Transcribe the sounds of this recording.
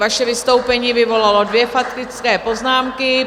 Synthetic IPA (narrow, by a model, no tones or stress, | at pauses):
vaʃɛvɪst̪o̞wpɛɲiːvɪvo̞lalo̞dvjɛfat̪ɾɪt͡skɛːpo̞znaːmkɪ